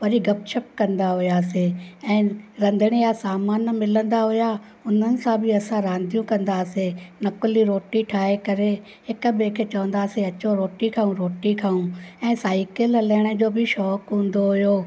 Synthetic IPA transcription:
ʋɐɾiɡɐpʃʰəp̚kɐ̃nd̪aɦʊjaːseɛ̃ːɾɐ̃nd̪ʱəɽ̃ijasaːmaːnmɪlə̃nd̪aɦʊja | ʊn̤ənɪ̆sãbʱɪɐsãɾãːnd̪ʱijũkɐ̃nd̪aːsenɐkʊliɾoːʈiʈʰaːɦekɐɾe | hɪk̆bekʰet͡ɕɐʋə̃nd̪aːseɐt͡ɕoɾoːʈikʰaːũɾoːʈikʰaːũɛ̃ːsaːɪkɪlɐlɛːɽ̃əd͡ʑoːbʱɪʃɔːkɦũːnd̪oɦʊjoː

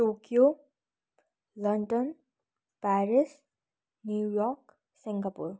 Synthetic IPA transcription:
ʈokijo | lʌɳɖʌn | paɾis | njuujɔk | siŋkapṵr

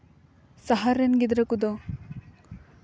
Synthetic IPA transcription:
saɦaɾenɡid̪ɾɐkud̪o

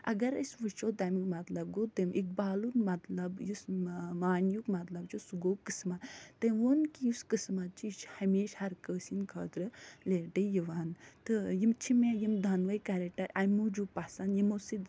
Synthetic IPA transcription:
ʔɐ̰ɡɐɾɐsʲʋɨt͡ʃʰoːd̪ɐmikmɐt̪lɐb̚ɡot̪ɐmʔik̚baːluɾmɐt̪lɐbjusmaːnjukmɐt̪lɐbt͡ʃʰosuɡoːkɨsmat̪t̪ɐʋonkijuskɨsmat̪̚t͡ʃit͡ʃhɐmeːʃhɐɾkəːsinkʰɐ̰ːt̪ɾɨleːʈejiʋaːnt̪ɨjimt͡ʃʰimajimd̪ʱɐnʋɐjkaɾɐk̚ʈɐɾamud͡ʒupasanjimosid̪

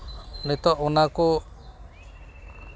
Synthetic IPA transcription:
nit̪ɔʔunaku

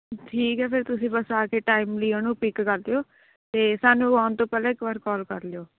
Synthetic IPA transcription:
ʈʰiːkɦɛːpʰɪɾt̪ʊsĩːbəsaːkeːʈaːiːmliːənũːpɪkkəɾd̪ejoː | t̪eːsaːnũːaːʊnt̪õːpɛːlɛːɪkʋəɾkɔːlkəɾleoː

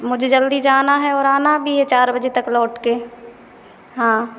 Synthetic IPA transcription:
mʊd͡ʒʱed͡ʒəld̪id͡ʒaːnaɦɛɔːɾaːnabʱijet͡ʃaːɾbɐd͡ʒet̪ɐklɔːʈkeː | ɦãː

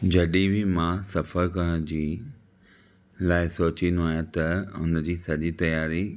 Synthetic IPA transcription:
d͡ʑɐɗibimãsɐfəɾkɐɽ̃d͡ʑiː | laːɪsoːt͡ɕind̪oɦaːjãt̪ɐʊn̆d͡ʑiːsɐʄit̪ɐjaːɾi

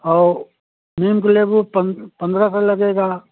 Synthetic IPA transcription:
ɔː | meːmkelebupɐpɐ̃nd̪ɾasallːɐɡeːɡaː

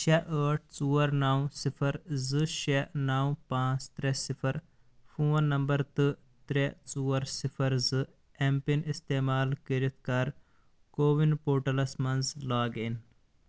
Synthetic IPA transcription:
t͡ʃeʔəːʈ̚ʰt͡suːɐɾnaːwsifʰɐɾzɨʃenaːwpãːt͡st̪ɾesipʰɐɾ | fʰuːnːɐmbɐɾt̪ɨ | t̪ɾet͡suːɐɾsipʰɐɾzɨ | empinist̪eːmaːlkiɾit̪̚ʰkaːɾ | koːʋinpoːɾʈɐlɐsmɐnzlaːɡin

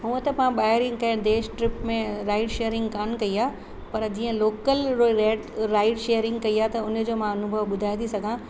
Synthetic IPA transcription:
ɦũə̃t̪ɐpɐãɓaːɪɾɪ̃ŋkɐɪ̃ɽd̪eːʃʈɾɪpmẽɾaːɪʈʃeːəɾɪ̃ŋɡkaːnkɐiaː | pɐɾd͡ʑiːə̃loːkəlɾoɾeːɖɾaːɪʈʃejəɾɪ̃ŋɡkɐiaːt̪ɐʊnə̆d͡ʑoːmãɐnʊbʱəʋɓʊd̪ʱaːɪit̪ʰisɐɡʱã

